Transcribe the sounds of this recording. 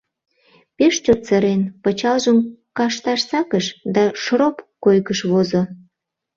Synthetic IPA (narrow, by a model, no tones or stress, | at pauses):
peʃt͡ɕot̪t͡səɾenpət͡ɕɑlʒəmkɑʃt̪ɑʃsɑkəʃd̪ɑʃropkojkəʃβozo